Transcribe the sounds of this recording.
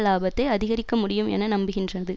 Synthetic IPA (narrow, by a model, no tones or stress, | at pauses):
laːbɐt̪ːɐɪɐðɪɣɐɾɪkːɐmʊɽɪjɯmɛ̰nɐnɐmbɪɣɪndrɐðɯ